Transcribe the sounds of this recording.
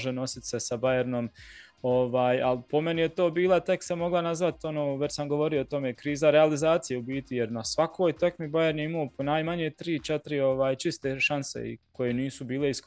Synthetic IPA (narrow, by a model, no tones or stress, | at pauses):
ʒeno̞sit̪se̞sabajeɾno̞m | oʋaːjalpo̞me̞nijet̪o̞ːbiːlˠat̪e̞k̪samːo̞ɡlˠanazʋat̪o̞noːʋet͡ɕsamɡoʋo̞ɾijoot̪o̞me̞kɾiːzaɾealizaːt̪sijeubiːt̪ije̞ɾnasʋakʰoːjt̪ekmibaje̞ɾnjeimoːponaːjmaɲe̞t̪ɾiːt͡ʃet̪ɾio̞ʋaːjt͡ʃist̪e̞ʃansḛḭko̞je̞niːsubiːle̞isk